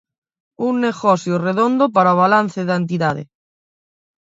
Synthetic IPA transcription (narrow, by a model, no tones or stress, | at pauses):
uŋːeɣɔsjoreðond̪opaɾaoβ̞alan̟θeðant̪̬iðaðḛ